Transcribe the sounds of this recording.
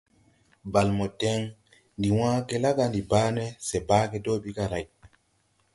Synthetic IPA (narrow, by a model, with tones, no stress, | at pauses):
ba˨lmɔ˨tɛ˦ŋ | ndi˨wãː˦kɛ˦la˦ɡa˨ndi˨baː˦nɛ˦sɛ˨baː˦kɛ˦doː˦ɓi˦ka˨ɾa˨j